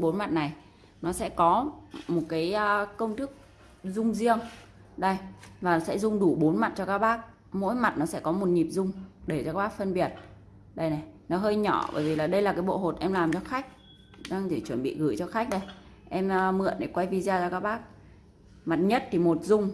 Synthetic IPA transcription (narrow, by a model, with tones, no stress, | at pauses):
ɓo˨˦nma˨˩t̚na˨˩j | nɔ˨˦sɛ̰˧˥kɔ˨˦mo˨˩t̚kaː˨˦jkə˧wŋ͡mt̪ɨ˦˥k̚ | zʊ˧ŋ͡mzi˧əŋ | ɗə˧˩jvaː˨˩sɛ̰˧˥zʊ˧ŋ͡mɗu˧˩ɓo˨˦nma˨˩t̚t͡ɕɔ˧kaː˦˥k̚ɓaː˦˥k̚ | mo̰˧˥jma˨˩t̚nɔ˨˦sɛ̰˧˥kɔ˨˦mo˨˩t̚ɲi˨˩p̚zʊ˧ŋ͡mɗe˧˩t͡ɕɔ˧kaː˦˥ɓaː˦˥k̚fə˧nɓi˨˩ət̚ | ɗə˧˩jna˨˩jnɔ˨˦ɦəː˧jɲɔ˧˩ɓə̰ː˧˩jvi˨˩laː˨˩ɗə˧jlaː˨˩kaː˨˦jɓo̰˧˨ho˨˩t̚ʔɛ˧mlaː˨˩mt͡ɕɔ˧xa˦˥jk̟̚ | ɗaː˧ŋɗe˧˩t͡ɕwə˧˩nɓḭ˧˨ɣɨ˧˩t͡ɕɔ˧xa˦˥k̟̚ɗə˧j | ʔɛ˧m˧mɨ̰˧˨ənɗe˧˩kwa˧jvi˧zaː˧t͡ɕɔ˧kaː˦˥k̚ɓaː˦˥k̚ | ma˨˩t̚ɲə˦˥t̚t̪ʰi˨˩mo˨˩t̚zʊ˧ŋ͡m